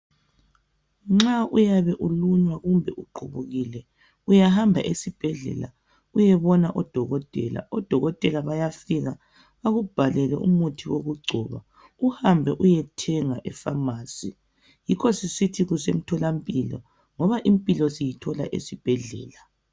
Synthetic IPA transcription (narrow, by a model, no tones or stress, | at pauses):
ŋ͡ǁaʔujaβɛʔuluɲwaɣumbʱɛʔuǃʰʱuβuɣilɛ | ujahambʱa̰ʔesib̥ʱɛɮɛ̰la̰ | ujɛβɔnaʔɔd̥ʱɔɣɔtʼɛla̰ʔɔd̥ʱɔɣɔtʼɛlaβajafiɣa | βaɣub̥ʱalɛlɛʔṵmutʰiwoɣuɡ͡ǀʱɔβa̰ | uhambʱɛʔujɛtʰɛŋaʔɛfamaːsi | jikʰɔsisitʰiɣusem̩tʰɔlampʼilɔ̰ | ŋɔβaʔimpʼilɔsijitʰɔla̰ʔḛsib̥ʱɛɮɛ̰ːla